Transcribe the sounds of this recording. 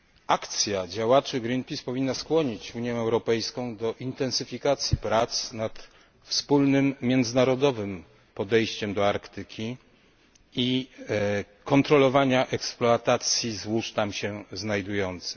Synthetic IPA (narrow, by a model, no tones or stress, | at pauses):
akt̪sʲjad͡ʑawat͡ʂɘɡɾinpʲispɔvʲinːaskwɔɲit͡ɕuɲjɛ̃ɛwɾɔpɛjskɔ̃w̃d̪ɔʔint̪ɛnsɘfʲikat̪sʲjipɾat̪snat̪ | fspulnɘmːʲjɛnd̪zɘnaɾɔd̪ɔvɘm | pɔd̪ɛjɕt͡ɕɛmd̪ɔaɾkt̪ɘkʲʰi | i | kɔnt̪ɾɔlɔvaɲaʔɛksplɔat̪at̪sʲjizwuʂt̪amɕɛznajd̪ujɔnt̪sɘ̥